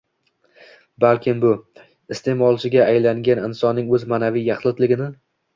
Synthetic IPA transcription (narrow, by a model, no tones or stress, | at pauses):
balˠkʲʰɪmbʊ | ɪst̪ʰe̞mɒlˠt͡ʃʰɪɡʲaːjlaŋɡʲanɪnsɒnːɪŋɵzmanavijjɑχlˠɪt̪lɪɡʲɪnɪ